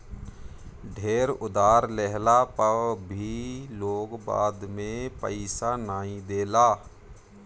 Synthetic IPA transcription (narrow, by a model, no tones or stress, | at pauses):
ɖʱeːɾʊd̪aːɾlɛɦlapəʋbʱiloːɡba̰ːd̪mẽpə̰ɪsanaːĩd̪eːlaː